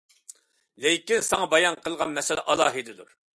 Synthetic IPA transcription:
lɪkʲinsɑŋɑbɑjɑnqəlˠʁɑnmɛsɪlæʔɑlˠɑ̰ːɦɨd̪ɨd̪uɾ

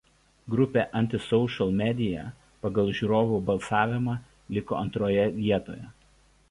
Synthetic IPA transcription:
ɡɾʊpʲeːˑʔɐnʲt̪ʲɪsɔʊʃɐlˠmʲɛd̪ʲɪjɛ̰ | pɐɡɐlˠʒʲuːɾoːʋuːˑbɐlˠˑsɑːʋʲɪmɑː | lʲɪko̰ːɐnt̪ɾoːjɛʋʲiɛt̪o̰ːjɛ

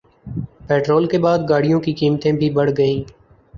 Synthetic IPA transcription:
peːʈɾoːlkebaːd̪ɡaːɽijõkikiːmt̪ẽbʱibəɽ̤ɡəĩː

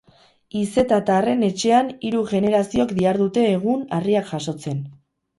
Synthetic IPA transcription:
ise̞t̪at̪are̞ne̞t͡ʃe̞aniɾuɣe̞ne̞ɾasiokd̪iaɾðut̪e̞ːɣ̞unariakʝaso̞t͡se̞n

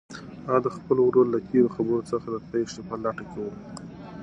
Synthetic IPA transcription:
ɑd̪əxpəlowɾollat̪ʰeɾoxabəɾot͡səxad̪əpeʂepəlaʈakewə

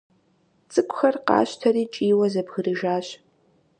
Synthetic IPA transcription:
t͡sʼɨkʷʼʊxɐrqɑ̰ːɕtʰɐɾiːt͡ʃʼiːwɐzɐbɣɨɾɨʒaːɕ

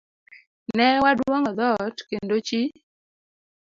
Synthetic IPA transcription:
nɛwadwoŋɔd̪ɔtkendot͡ʃi

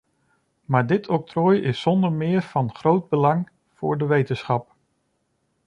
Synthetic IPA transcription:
maːɹdɪtʰɔk̚trɔːjɪsɔndəɹmɪːɹvɑnχrowd̚bəlɑŋ | v̥ʊ̰ːɹdəʋejtənsχɑp̚

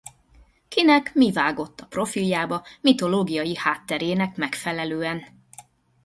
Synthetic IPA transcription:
kinɛkmivaːɡo̞t̪ːɒpro̞filjaːbɒmit̪o̞loːɡijɒjihaːt̪ːɛɾeːnɛkmɛkfɛlɛløːɛn

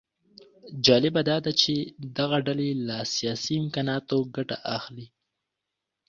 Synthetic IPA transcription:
d͡ʒɑlɪbad̪ɑd̪at͡ʃed̪aɣaɖalelasijɑsiɪmkɑnɑt̪oɡaʈaʔaxli

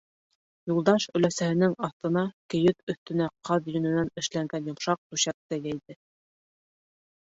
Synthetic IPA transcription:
julˠd̪ɑʃɵ̆læsæhɘ̆nɘŋɑθt̪ɤ̆nɑkɘ̆jɵt̪ɵ̆θt̪ɘ̆næqʰɑðjɵ̆nɘ̆nænɘ̆ʃlæŋɡænjŏmʃɑq̚t̪ʉɕæk̚t̪æjæjðɘ

